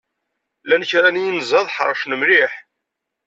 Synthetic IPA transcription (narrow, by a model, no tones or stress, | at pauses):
lænçɾænijinzˤɑðˤħə̰ɾˤʃnəmliħ